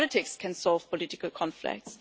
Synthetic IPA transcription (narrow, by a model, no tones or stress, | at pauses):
lɪtɪkskʰɛ̃nsɔlˠv̥pʰɔlɪtɪkəlˠkʰɔ̃nflɪ̰k̚ts